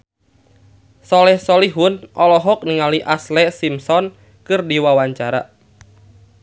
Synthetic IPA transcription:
sɔlɛhsɔliɦunʔɔlɔɦɔk̚niŋaliʔaslɛsimsɔn | kɨrdiwawaɲt͡ʃaɾa̰

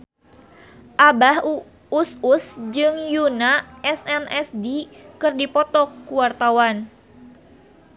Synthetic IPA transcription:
ʔabah | ususd͡ʒɨŋjunaɛsɛnɛsdikɨrdipɔt̪ɔkuwart̪awan

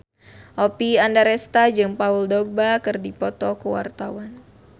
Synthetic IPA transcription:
ʔɔpiandaɾɛst̪ad͡ʒɨŋpauldɔɡ̚bakɨrdipɔt̪ɔkəwa̰rt̪awan

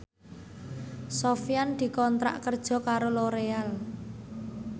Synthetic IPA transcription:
sofijand̪̥i̤kɔnt̪ɾa̰ʔkərd̥ʒ̥ɔ̤kaɾoloɾeal

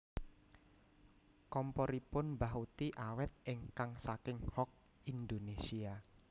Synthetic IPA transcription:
kɔmpɔɾipʊnbaɦut̪iʔawɛt̪̚ʔɪŋkaŋsakɪŋhɔk̚ | ind̪onesia

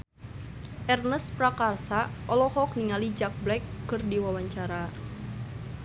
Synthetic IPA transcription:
ʔɛrnəspɾakarsaʔɔlɔhɔk̚niŋalid͡ʒak̚blɛkːɨrdiwawaɲt͡ʃaɾa

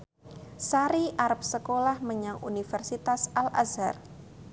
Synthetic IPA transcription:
saɾiʔaɾap̚səkolahməɲaŋṵnifɛrsit̪asala̰za̰r

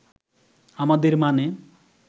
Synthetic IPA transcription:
amad̪eɾmane

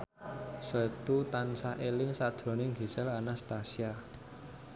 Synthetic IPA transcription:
sət̪ut̪ansaʔelɪŋsad̥ʒ̥ɾo̤nɪŋɡi̤sɛlanast̪asia

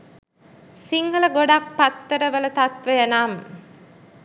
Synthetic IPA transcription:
siŋɡələɡoɖak̚pat̪ːəɾəʋələt̪at̪ʋəjənaːmə

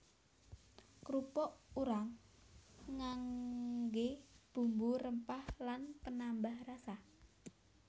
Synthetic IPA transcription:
kɾupɔʔuɾaŋː | aŋɡeb̥ṳmburəmpahlanpənambahrasa

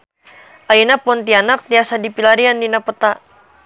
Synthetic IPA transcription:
ʔainapunt̪ianak̚t̪iasadipilaɾiandinapət̪a

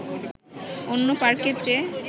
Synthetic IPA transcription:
onːopaɾkeɾt͡ɕe

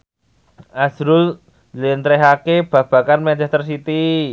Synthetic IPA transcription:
ʔasɾʊl | lent̪ɾeɦakeb̥ä̤b̥ä̤kanmɛt͡ʃɛst̪ərsit̪i

